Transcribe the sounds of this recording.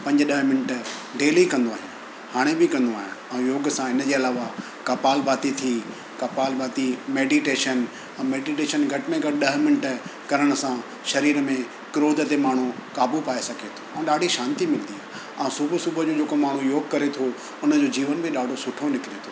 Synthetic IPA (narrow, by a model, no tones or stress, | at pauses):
pɐ̃ɲd͡ʑəɗɐɦmɪnəʈɖeːlikɐ̃nd̪oa̰ːɦɪ | haːɽ̃ebʱɪkɐ̃nd̪oaːɦɪ̃ɛ̃ːjoːɡsãɪnə̆d͡ʑeːɐlaːʋa | kɐpaːlbaːt̪it̪ʰi | kɐpaːlbaːt̪imeːɖiʈeːʃən | ɛ̃ːmeːɖiʈeːʃənɡʱɐʈɪmẽɡʱɐʈɗɐɦmɪnəʈ̆kɐɾəɽ̃ə̆sã | ʃɐɾiːɾəmẽ | kɪɾoːd̪ʱət̪emaːɳ̤ukaːbupaːesɐkʰet̪ʰo̥ɛ̃ːɗaːɖʱiʃaːnt̪imɪlə̃nd̪iaː | ãũsubʱsubʱəd͡ʑoːd͡ʑeːkomaːɳ̤ujoːɡkɐɾet̪ʰo | ʊnə̆d͡ʑoːd͡ʑiːʋənbʱɪɗaːɖʱosʊʈʰonɪkɪɾet̪ʰoː